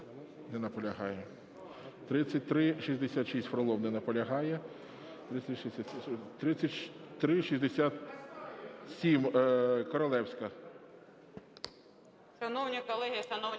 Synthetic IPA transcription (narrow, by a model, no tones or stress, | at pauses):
nɛnɐpɔlʲɐɦɑjɛ | t̪ɾɪt͡sʲsʲɐt̚ʲt̪ɾɪʃizʲd̪esʲat̪ʃisʲtʲfɾɔlˠɔwnɛnɐpɔlʲɐɦɑjɛ | t̪ɾɪsʲʃsʲat̪ɾɪt͡sʲːɐtʲʃt̪ɾɪʃizʲd̪esʲat̪ | sʲimkɔɾɔlˠɛwsʲkɐ | ʃɐnɔwnʲikɔlˠɛɦʲijɐsɐnɔwʲ